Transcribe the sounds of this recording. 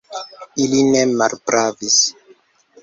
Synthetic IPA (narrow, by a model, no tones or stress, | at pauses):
ilinemalpɾavis